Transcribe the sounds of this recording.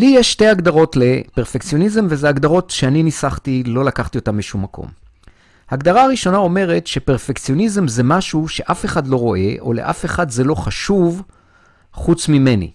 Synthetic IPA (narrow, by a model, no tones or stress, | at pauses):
lijeʃte̞jaɡdaʁo̞tle̞pe̞ʁfekt͡sijo̞nize̞mvezeaɡdaʁo̞tʃeaninisaχtilo̞lakaχt̪io̞tambeʃumːakʰo̰m | haːɡdaʁaaʁiʃo̞nao̞me̞ʁe̞tʃe̞pe̞ʁfekt͡sijo̞nizemze̞maʃuʃe̞ʔafeχadlo̞ʁo̞ʔe̞ʔo̞̰le̞̰ʔa̰fe̞χadze̞lo̞χaʃuv | χut͡smime̞nḭ